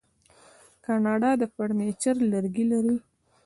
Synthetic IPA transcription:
kɑnɑɖɑd̪əpaɽnet͡ʃaɾləɾɡilaɾi

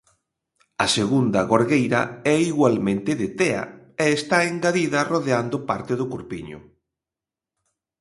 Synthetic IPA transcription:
ɐseɣund̪ɐɣoɾɣejɾɐ̰ɛiɣwalmẽnt̪ɪðɪt̪ɛɐ̰ | eːst̪aeŋɡaðiðɐroðeand̪ʊpaɾt̪ɪðʊkuɾpḭɲʊ̰

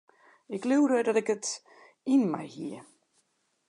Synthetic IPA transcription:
ɪklywɾədɔtɪkət | inma̰jhiə

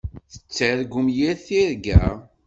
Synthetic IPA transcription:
θə̥t͡sːæɾɡumjiɾθiɾɡæ̰

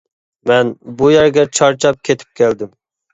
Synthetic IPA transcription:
mɛnbujɛɾɡʲɛt͡ʃʰɑɾt͡ʃʰɑp̚kʲʰet̪ʰɪ̥p̚kʲʰɛld̪ɪm

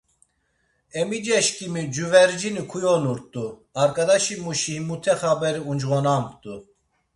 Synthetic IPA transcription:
ɛmid͡ʒɛʃkimid͡ʒuvɛɾd͡ʒinikʰujonuɾt̪uɑɾkɑd̪aʃimuʃihimut̪ʰɛχabɛɾiund͡ʒʁonambt̪u

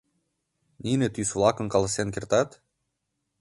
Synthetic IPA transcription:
ninĕt̪ysvlˠɑkə̆nkɑlˠɑsenkert̪ɑt̪

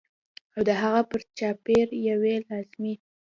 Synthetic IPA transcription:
awd̪əɦaɣapəɾt͡ʃɑpeɾjawelɑzmi

